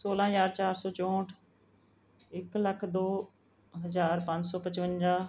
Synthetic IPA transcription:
soːlãːɦəd͡ʒaːɾt͡ʃaːɾsɔːt͡ʃõːʈʰ | ɪkləkʰd̪oː | ɦəzaːɾpãɲd͡ʒsɔːpət͡ʃʋə̃nd͡ʒaː

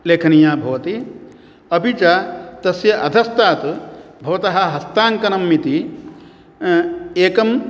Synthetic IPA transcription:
leːkʰɐnijaːbʱɐʋɐt̪i | ɐbit͡ʃat̪ɐsjɐʔɐd̪ʱɐst̪aːt̪ubʱɐʋɐt̪ɐɦɐ̆ɦɐst̪aːŋkɐnɐmːit̪i | eːkɐm

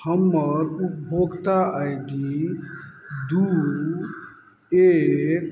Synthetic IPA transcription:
həmːəɾup̚bʱoɡt̪aajɡi | d̪u | ek

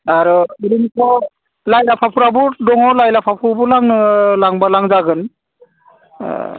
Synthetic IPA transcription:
aɾɯiɾinikʰɔ | lajlapʰapʰuɾabudɔŋɔwlajlapʰapʰubulaŋɯlaŋbalaŋzaɡɯn

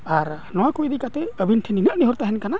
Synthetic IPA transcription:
aɾ | nɔwakujd̪ikat̪ɛəbinʈʰininəʔniɦɔɾt̪aɦɛnkana

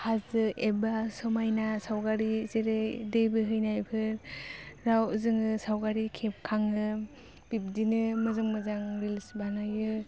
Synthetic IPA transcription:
hazɯebasɔmajnasawɡaɾizeɾɯdejbɯɦɯjnajpʰɯɾɾawzɯŋɯsawɡaɾikʰep̚kʰaŋɯ | b̥ip̚dinɯmɯzɯŋmɯzaŋɾilsbanajɯ

